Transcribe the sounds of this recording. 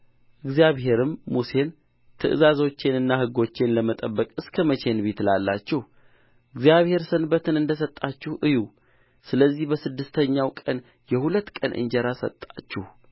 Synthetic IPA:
ʔɨɡzijaβhe̞ɾɨmːuse̞n | t̪ʰɨ̰ʔɨ̰zazo̞t͡ʃːenɨnːahɨɡo̞t͡ʃːenləmət̪ʼəbːəkʼɨskʰəmət͡ʃʰe̞nbet̪lalːat͡ʃːɛh | ʔɨɡzjaβhe̞ɾsənbət̪ɨnɨnd̪əsət̪ʼːat͡ʃːuhʔɨju | sɨləzːihbəsɨd̪ːɨst̪ʰəɲːawkʼən | jɛhulət̪ːkʼənʔɨ̰nd͡ʒəɾasə̰t̪ʼːat͡ʃːɛh

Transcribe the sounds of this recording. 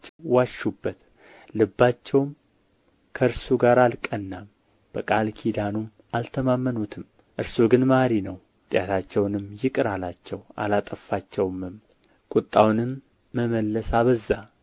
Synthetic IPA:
waʃːubːət̪ | lɨbːat͡ʃːɛwm | kʰəɨɾsuɡaɾalkʼənːam | b̥əkʼalkʰid̪anum | ʔalt̪ʰəmamːənut̪ʰɨm | ʔɨɾsuɡɨnmaɾinəw | t̪ʼɪjat̪ʰat͡ʃːɛwnɨmːjɪkʼɨɾalat͡ʃːɛwa̰lat̪ʼəfːat͡ʃːɛwmɨm | kʼut̪ʼːawnɨmː | əməlːəsaβəzːa

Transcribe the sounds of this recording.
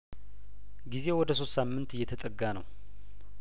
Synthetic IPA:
ɡize̞wɔd̪əso̞st̪samːɨnt̪ɨjːɛt̪ʰət̪ʼəɡːanə̰w

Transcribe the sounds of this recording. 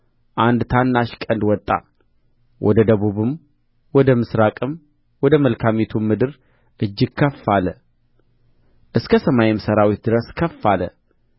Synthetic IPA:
ʔand̪t̪ʰanːaʃkʼənd̪wɔt̪ʼːa̰ | wʔɔd̪əd̪əβuβɨm | wɔd̪əmɨsɾakʼɨm | wɔd̪əməlkʰamet̪ʰumːɨd̪ɨɾ | ʔɨd͡ʒːɪɡkʰːəfalə | ʔɨskʰəsəmajɪmsəɾawit̪̚d̪ɨɾəskʰəfːalə̰

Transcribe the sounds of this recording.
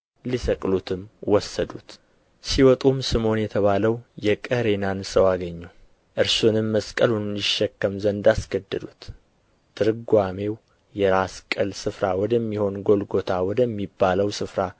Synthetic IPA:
lisəkʼlut̪ʰɨmwɔsːəd̪ut̪ | siwɔt̪ʼumsɨmo̞njɛt̪ʰəβaləwjɛkʼəhɾe̞nansəwaɡəɲːu | ʔɨɾsunɨmːəskʼəlunɪʃːɛkːəmzənd̪asɡəd̪ːəd̪ut̪ʰː | ɨɾɨɡʷame̞w | jɛɾaskʼəlsɨfɾawɔd̪əmːiho̞nɡo̞lɡo̞t̪ʰawɔd̪əmːibːaləwsɨfɾa

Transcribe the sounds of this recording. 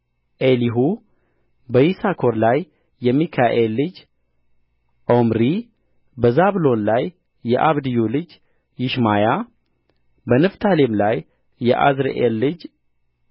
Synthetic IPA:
ʔeliɦu | bəjisakʰo̞ɾlajː | ɛmikʰaʔelːɨd͡ʒ | ʔomɾi | bəzaβlo̞nlajː | ɛʔaβd̪ɨjulɨd͡ʒ | jɪʃmaja | bənɨft̪ʰalemlajː | ɛʔa̰zɾḛʔelːɨd͡ʒ

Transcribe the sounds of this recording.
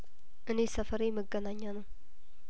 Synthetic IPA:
ʔɨnesəfəɾejməɡənaɲːanəw

